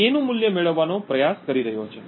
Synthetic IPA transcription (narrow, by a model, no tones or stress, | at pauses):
enũmuljəmeɭəʋːanopɾəjaskəɾiɾəɦjot͡ʃʰe